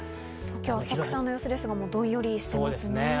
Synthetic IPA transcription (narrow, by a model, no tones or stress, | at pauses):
okʲoːβasakɯ̟̥sãnːo̞josɨd̪e̞sɨɡamoːd̪õ̞ɰ̃jo̞ɾʲiɕi̥t̪emasɨnee